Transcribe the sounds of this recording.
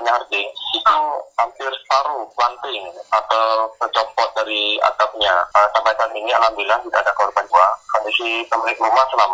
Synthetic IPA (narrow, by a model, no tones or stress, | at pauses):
aɲaɦart̪ɪsikaŋhampɪrst̪aɾupant̪ɪŋat̪awsəd͡ʒɔmpɔt̪̚daɾia̰t̪ap̚ɲasampajkant̪iŋialambilaht̪idaːdakəɔrbanbuakɔndisisəmɾɪkɾumahsəlama